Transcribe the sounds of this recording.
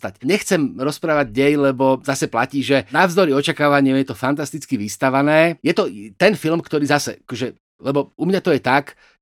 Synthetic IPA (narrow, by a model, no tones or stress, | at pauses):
t̪acɲɛxt͡sɛmɾɔspɾaːʋaɟɲɛjlɛbɔzasɛplaciːʒɛnavzd̪ɔɾiɔt͡ʃakaːʋaɲɪɛmjɛt̪ɔfant̪ast̪it͡skiʋist̪aʋanɛːjɛt̪ɔt̪ɛnfilmkt̪ɔɾiːzasɛ̰ʔakɔʒɛ | lɛbɔumɲat̪ɔjɛt̪ak